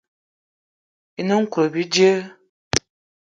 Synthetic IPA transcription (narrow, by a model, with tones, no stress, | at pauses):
i˨nə˦ŋ̩˦kʷə˨bi˦d͡ʒə˦